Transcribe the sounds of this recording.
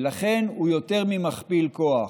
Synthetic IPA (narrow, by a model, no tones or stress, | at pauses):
laχenhujo̞t̪eʁmimaχpilkoa